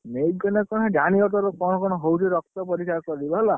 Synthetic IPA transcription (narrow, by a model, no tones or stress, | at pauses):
mekɡɔnɛkɔñɦɛdaniɔt̬ɔɾɔkɔ̃ɔkɔnɔɦowteɾɔk̚t̪ɔpɔɾikʰakɔɾibɔɦla